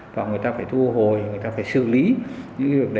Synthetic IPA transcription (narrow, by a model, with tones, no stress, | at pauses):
vaː˨˩ŋɨ˨˩əjt̪aː˧faː˧˩jt̪ʰu˧ɦo˨jŋɨ˨˩əjt̪aː˧faː˧˩jsɨ̰˧˩li˨˦ɲɲɨ̰˧˥ŋkvi˨˩ək̚ɗ